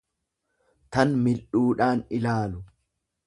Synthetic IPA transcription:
t̪ɐnmɪlʔuːᶑaːnɪlaːlʊ

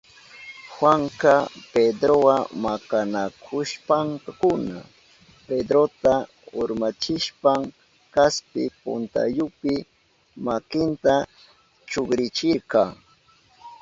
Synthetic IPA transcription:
xwaŋkaped̪ɾowamakanakʰʊʃpaŋkakʊna̰ | ped̪ɾot̪a | ʊɾmat͡ʃɪʃpaŋ | kaspɪ̰pʊ̰nt̪a̰jʊpɪ | makɪnt̪a | t͡ʃoɡɾɪt͡ʃɪɾkɑ

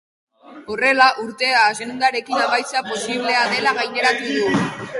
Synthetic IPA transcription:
o̞re̞laʔuɾt̪e̞aːsind̪aɾe̞kinaβajsapo̞siβle̞aðe̞laɣajne̞ɾat̪uðu

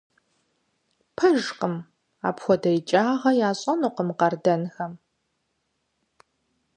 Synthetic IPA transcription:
pʰɐʒqəm | a̰ːpxʷɔdɐjt͡ʃʼaːʁɐjaːɕʼɐnuːqəmqɐrdɐnxɐm

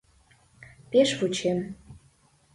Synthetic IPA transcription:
peʃvut͡ɕem

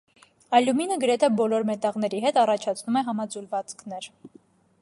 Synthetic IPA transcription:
ɑluminəɡəɾɛt̪ʰɛbɔlɔɾmɛt̪ɑʁn̪ɛɾiɦɛt̪ɑrɑt͡ʃʰɑt͡sʰnumɛɦɑmɑd͡zulvɑt͡skʰn̪ɛɾ

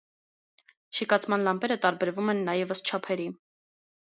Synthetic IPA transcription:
ʃikɑt͡sʰmɑnlɑmpɛɾət̪ɑɾbɛɾvumɛnːɑjɛvəst͡ʃʰɑpʰɛɾi

